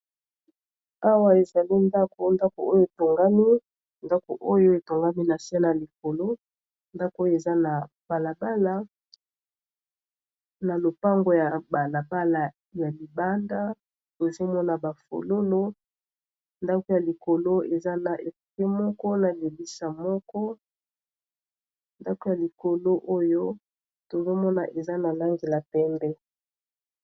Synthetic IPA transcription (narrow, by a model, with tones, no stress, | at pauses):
a˦wa˦e˨za˨li˦nda˦ko˨nda˦ko̰˨o˦jo˦e˨to˨ŋɡa˦mi˦ | nda˦ko˨ʔo˦jo˦e˨to˨ŋɡa˦mi˦na˨si˦a˦na˨li˨ko˨lo˦ | nda˦ko˨o˦jo˦˨e˨za˦na˨ | b̥a˨la˨ba˦la˦ | na˨lo˨pa˦ŋɡo˨ja˨ba˨la˨ba˦la˨ | ja˨li˨ba˦nda˦ | to˨zo˦mɔ˦na˨ba˨fo̰˨lo˦lo˦ | nda˦ko˦ja˨li˨ko˨lo˦e˨za˦na˨ʔe˨kkɛ˦mɔ˦kɔ˦na˨le˨bi˦sa˨mɔ˦kɔ˦ | nda˦ko˦ja˨li˨ko˨lo˦ʔo˦jo˦ | to˨zo˦mɔ˦na˨ʔe˨za˦na˨la˦ŋɡe˨la˨pɛ˦mbɛ˦